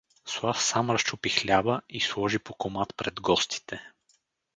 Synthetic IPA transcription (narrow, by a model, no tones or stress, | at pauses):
swˠafsamɾɐst͡ʃʊpixlʲavəislˠɔʒipokomat̪pɾɛd̪ɡɔst̪ʰi̥t̪ʰɛ